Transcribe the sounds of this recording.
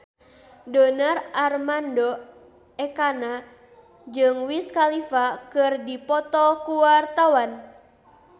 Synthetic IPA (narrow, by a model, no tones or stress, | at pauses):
dɔnararmandɔ | ɛkana | d͡ʒɨŋwiskalifakɨrdipɔt̪ɔkuwart̪awan